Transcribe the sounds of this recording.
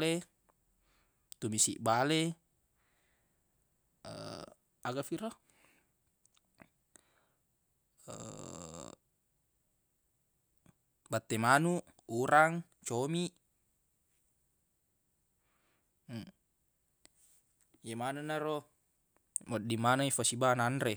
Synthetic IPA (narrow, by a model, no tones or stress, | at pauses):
e | t̪umisiʔbale | ə̰ | aɡafiɾɔ | ə̰ | bat̪ːemanuʔuɾaŋ | t͡ʃomiʔ | jemananaɾɔ | mɔdimanaifasibananɾe